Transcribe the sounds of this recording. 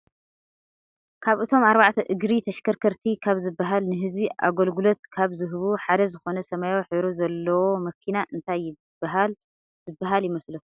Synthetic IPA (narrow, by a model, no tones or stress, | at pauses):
kʰaβɨt̪ʰo̞maɾβaʕt̪ʰɐʔɨɡɾit̪ʰɐʃkʰɐɾkʰɐɾt̪ʰikʰaβzɨbːaɦalnɨɦɨzbiʔa̰ɡolɡulo̞t̪̚kʰaβzɨɦβuħad̪ɐzɨxo̞nɐsɐmajowħɨβɾozɐlːɐwo̞mɐkʰinaʔɨnt̪ʰajːɪ | b̥ːaɦal | zɨbːaɦaljɪmɐslu